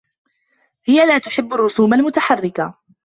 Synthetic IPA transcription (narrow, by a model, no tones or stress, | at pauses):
hɪjalaːt̪ʊħɪbːarˤːʊsuːmalmʊt̪aħarːɪka